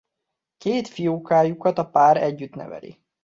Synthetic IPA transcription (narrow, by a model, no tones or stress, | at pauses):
keːt̪fijoːkaːjukɒt̪ɒpaːɾɛɟːyt̪nɛ̰vɛ̰lḭ